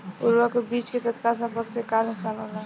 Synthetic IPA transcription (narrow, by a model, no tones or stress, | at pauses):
ʊɾʋakobiːt͡ʃket̪ət̪kalsə̃bəksekaːɾnʊksaːnɦola